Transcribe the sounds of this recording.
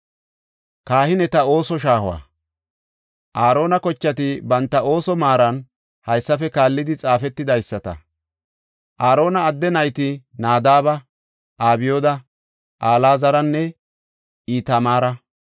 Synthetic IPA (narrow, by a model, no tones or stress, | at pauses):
kaːhɪnɛt̪ɐo̞ːsɔʃ̬aːhʊwa̰ː | ʔaːɾo̞ːnɐkɔt͡ʃːɐt̪ɪbɐnt̪ːɐo̞ːsɔmaːɾɐn | hɐjsːɐfɛkaːlːɪd̪ɪt͡sʼaːfɛt̪ːɪd̪ɐjsːɐt̪ɐ̰ | ʔaːɾo̞ːnɐːd̪ːɛnɐjt̪ɪnaːd̪aːβɐ | ʔaːbɪjoːd̪ɐ | ʔaːlaːzɐɾɐnːɛ | iːt̪ɐmaːɾɐ